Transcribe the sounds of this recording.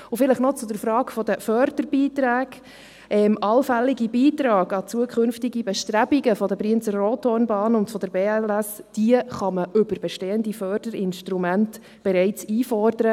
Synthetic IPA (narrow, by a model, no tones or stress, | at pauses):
ʊfɪləχnɔt͡sʊd̪əɾfɾɑːkfɔd̥̪əfœɾd̥əɾb̥iːt̪ɾæːɡ̥ | ʔɛmʔɑlfælːiɡibiːtɾɑːɡɑt͡suəkʰʏnftiɡibɛʃtræbiɡəfɔdəpɾiənt͡sərːoːtʰonbɑːnʊntfɔd̥̪əɾbeːɛlæsd̥iəχɑməʔʏbəɾbɛʃteːənd̪ifœɾd̥əɾɪnʃtɾumænt | b̥ɛɾɛɪt͡siːfɔrd̥̪əɾə